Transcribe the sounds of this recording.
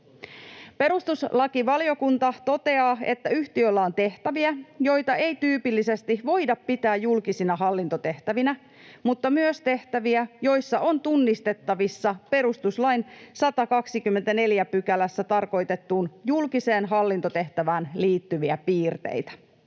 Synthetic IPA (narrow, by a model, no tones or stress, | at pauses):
pe̞ɾust̪uslɑkiʋɑlijo̞kunt̪ɑt̪o̞t̪e̞ɑːe̞̰t̪ːæyht̪iølːæo̞nt̪e̞ht̪æʋiæjo̞jt̪ɑe̞jt̪yːpilːise̞st̪iʋo̞jdɑppit̪æːjjulkisinɑɦɑlːint̪o̞t̪e̞ht̪æʋinæ | mut̪ːɑmyøst̪e̞ht̪æʋiæjo̞jsːɑʔo̞nt̪unːist̪e̞t̪ːɑʋisːɑpe̞ɾust̪uslɑjnsɑt̪ɑkɑksikymːe̞nt̪æne̞ljæpykælæsːæt̪ɑrko̞jt̪e̞t̪ːuːnjulkise̞ːnɦɑlːint̪o̞t̪e̞ht̪æʋæːnliːt̪ːyʋiæpiːrt̪ḛjt̪æ̥